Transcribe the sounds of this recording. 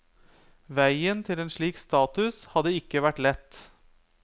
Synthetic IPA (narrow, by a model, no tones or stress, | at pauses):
ʋæɪənt̪ʰɪleːnʂɭiːkst̪ɑːt̪ʉshɑd̪əɪkːəʋæʈlɛt̪ː